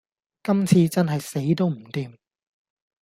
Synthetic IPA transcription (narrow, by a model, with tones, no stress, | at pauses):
kɐ˥mt͡sʰiː˧t͡sɐ˥nɦɐ˨jse˨˥jt̪o˥wm̩˨˩t̪iː˨m